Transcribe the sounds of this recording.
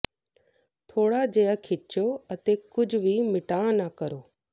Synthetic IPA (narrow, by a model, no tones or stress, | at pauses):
t̪ʰoːɽad͡ʑejəkʰɪt͡ʃoɐt̪ekʊd͡ʑʱʋimɪʈãːnakəɾoː